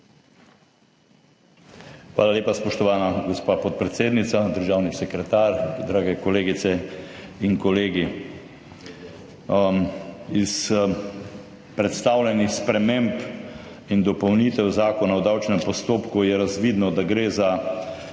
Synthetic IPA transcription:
xʋa̰ːlaleːpaspɔʃt̪ɔʋaːnaɡɔspaːpɔt̪̚pɾɛt̪seːd̪nit̪sad̪əɾʒaːwnisɛkɾɛt̪aːɾd̪ɾaːɡɛkɔleːɡit̪sɛiŋkɔleːɡi | is | pɾɛt̪st̪aːwlʲɛnixspɾɛmemp | ind̪ɔpɔwnit̪ɛwzaːkɔnawd̪awt͡ʃnɛmpɔst̪oːpkujɛɾazʋiːd̪nɔd̪aɡɾeːza

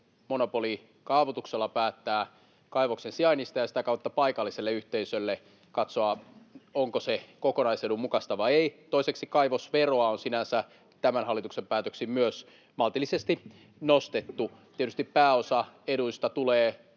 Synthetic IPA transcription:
monopoli | kɑːʋot̪ukselːɑpæːt̪ːæː | kɑiʋoksensiɑinist̪ɑjɑsi̥t̪ækɑut̪ːɑpɑikɑlːiselːeyht̪eisølːe | kɑt̪soɑoŋkosekokonɑisedumukɑst̪ɑʋɑieit̪oiseksikɑiʋosʋeroɑonsinænsæ | t̪æmænhɑlːˑit̪uksempæːt̪øksimmyøs | mɑlt̪ilːˑisest̪i | nost̪et̪ːut̪iet̪yst̪ippæːosɑeduist̪ɑt̪uleː

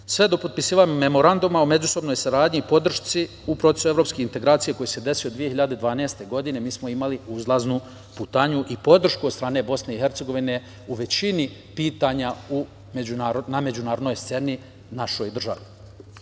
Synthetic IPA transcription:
sʋe̞d̪o̞po̞d̪̚pisiːʋaɲume̞mo̞ɾand̪umaome̞d͡ʒuso̞bno̞jsaɾaːd̪ɲiːpo̞d̪r̩ʃtsi | upɾo̞t̪esue̞vɾopskeint̪e̞ɡɾaːt̪sijekojese̞d̪e̞sijo̞d̪ʋijeçiʎad̪ed̪ʋaːneːst̪e̞ɡo̞d̪ine̞miːsmo̞imaliuzlˠaznu | put̪aɲuʔipo̞d̪r̩ʃkud̪st̪ɾaːne̞bo̞sne̞ixe̞ɾt̪se̞ɡo̞ʋine̞ | uʋe̞t͡ɕini | piːt̪aɲau | me̞d͡ʑunaːɾoname̞d͡ʒunaːɾod̪nojst̪se̞ni | naʃo̞jd̪r̩ʒa̰ʋi

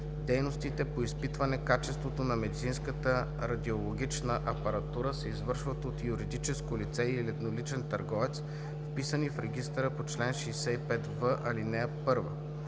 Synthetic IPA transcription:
d̪ɛjnost̪it̪ɛpoispit̪vɐnɛkat͡ʃɛst̪vot̪onɐmɛd̪it̪sinskət̪ə | ɾɐd̪iolˠoɡʲit͡ʃnəʔɐpɐɾɐt̪uɾəsɛizvɤɾʃvət̪ot̪juɾid̪it͡ʃɛskolit̪sɛilɛt̪nolit͡ʃɛnt̪ɐɾɡɔvɛt̪s | fpisənifɾɛɡʲist̪əɾəpot͡ʃlɛnʃɛjsɛipɛt̪vəʔɐlinɛpɤɾvə̰

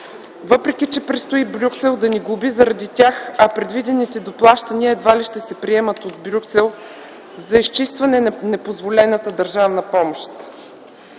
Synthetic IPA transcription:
vɤpɾɛk̟ʲit͡ʃɛpɾɛst̪ʊibɾʲuksɛlˠd̪ɐniɡubizɐɾɐd̪it̪ʲjaxɐpɾɛd̪vid̪ɛnit̪ɛd̪oplˠaʃt̪ɐniəɛd̪valiʃt̪ɛsɛpɾiɛmət̪od̪bɾʲuksɛlˠ | zɐist͡ʃist̪vɐnɛnɛpozvolɛnət̪əd̪ɐɾʒavnɐpɔmoʃt̪

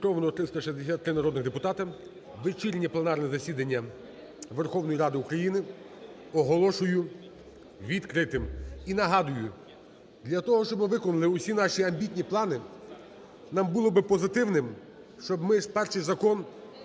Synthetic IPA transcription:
kɾɔʋnɔɔt̪ɾɪst̪ɔʃizʲd̪esʲat̪ːɾɪnɐɾɔd̪nɪɣd̪epʊt̪ɑt̪ɐ | ʋɪt͡ʃilʲnʲiplˠenɑrnɛzɐsʲid̪ɐnʲːɐ | ʋerxɔwnɔjiɾɑd̪ɪukɾɐjinɪ | ɔɦɔlˠɔʃʊjʊ | ʋʲid̪kɾɪt̪ɪminɐɦɑd̪ʊjʊ | d̪lʲɐt̪ɔɦɔʃt͡ʃɔbmɪʋɪkɔnʊlˠɪʊsʲinɑʃʲiɐmbʲitʲnʲiplˠɑnɪ | nɑmbulˠɔbɪpɔzɪt̪ɪwnɪm | ʃt͡ʃɔbmɪspɛrʃɪjzɐkɔn

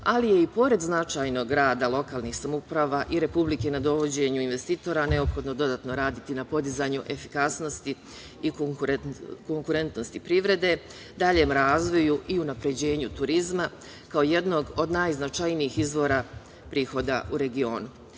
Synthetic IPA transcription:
alije̞ipo̞ɾe̞d̪znat͡ʃajno̞ɡɾaːd̪alˠo̞kaːlˠniːxsamupɾaːʋaʔiɾe̞publike̞nad̪o̞ʋo̞d͡ʑe̞ɲuinʋe̞st̪iːt̪o̞ɾane̞o̞pxo̞d̪no̞d̪o̞d̪aːt̪no̞ɾaːd̪it̪inapo̞d̪izaɲuʔe̞fikasno̞st̪i | i | ko̞ŋkuɾe̞nt̪no̞st̪ipɾiʋɾe̞d̪e̞ | d̪aʎe̞mɾaːzʋo̞juʔiunapɾe̞d͡ʑe̞ːɲut̪uɾizma | kaoje̞d̪no̞ɡo̞d̪naːjznat͡ʃajniiːxizʋo̞ːɾa | pɾiːxo̞d̪a̰ʔuɾe̞ɡio̞ːnu

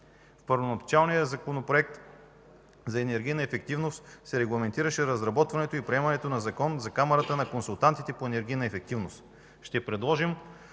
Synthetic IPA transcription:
fpɤɾvonɐbt͡ʃalˠnijəzɐkonopɾoɛk̚t̪ | zɐɛnɛɾɡʲijnɐɛfɛk̚t̪ivnost̪sɛɾɛɡlˠɐmɛnt̪iɾəʃɛɾɐzɾɐbɔt̪vɐnɛt̪oipɾiɛmɐnɛt̪onɐzɐkɔnzɐkamɐɾət̪ənɐkonsulˠt̪ant̪it̪ɛpoɛnɛɾɡ̟ʲijnɐɛfɛk̚t̪ivnost̪ | ʃt̪ɛpɾɛd̪lˠɔʒim

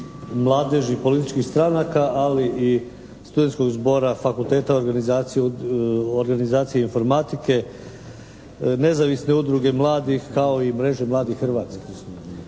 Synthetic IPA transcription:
mlˠaːd̪eʒipo̞lit̪it͡ʃkixst̪ɾanakaʔaliʔi | st̪ud̪enko̞ɡzbo̞ɾafakulˠt̪e̞ːt̪ao̞ɾɡanizaːt̪sije | oɾɡanizaːt̪sijeinfo̞ɾmat̪ike̞ | ne̞zaʋisne̞ud̪ɾuɡe̞mlˠaːd̪ixkao̞imɾe̞ʒe̞mlˠaːd̪ixxr̩ʋaːt̪ski̥s

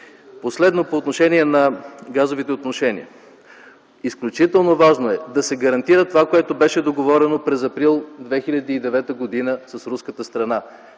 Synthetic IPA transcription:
poslɛd̪nopoːt̪noʃɛnʲiɛnɐɡazovit̪ɛot̪noʃɛnḭə̰ | isklʲut͡ʃit̪ɛlˠnovaʒnoɛd̪ɐsɛɡɐɾɐnt̪iɾət̪ovakoɛt̪obɛʃɛd̪oɡovɔɾɛnopɾɛzɐpɾilˠd̪vɛxilʲɐd̪iːd̪ɛvɛt̪əɡod̪inəsɐsɾuskət̪əst̪ɾɐna

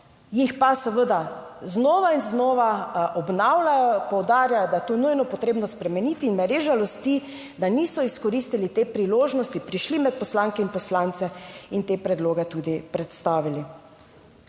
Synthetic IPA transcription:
jixpasɛʋəd̪aznoːʋainznɔːʋaɔbnawlajɔpɔwd̪aːɾjajɔd̪ajɛt̪onujnɔpɔt̪ɾeːbnɔspɾɛmɛniːt̪iːnmɛɾeːʒalɔst̪i | d̪aniːsɔiskɔɾist̪ilit̪eːpɾiloːʒnɔst̪ipɾiʃlimɛt̪̚pɔslaːŋkɛinpɔslaːnt̪sɛint̪eːpɾɛd̪loːɡɛt̪uːd̪ipɾɛt̪st̪aːʋili

